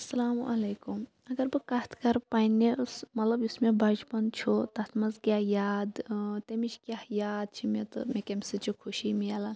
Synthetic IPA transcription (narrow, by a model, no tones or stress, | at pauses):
ɐsɐlaːmuʔɐleːkum | ɐɡɐɾbɨkɐt̪ʰkɐɾpaːnːesmɐt̪lɐbjusmebɐd͡ʒbɐnt͡ʃʰot̪ɐt̪ʰmɐzkʲjaːjaːd̪t̪emit͡ʃʰkʲjahjaːd̪̚t͡ʃʰimet̪ɨ̰mekɐmsɨt͡ʃʰikʰuʃimialɐn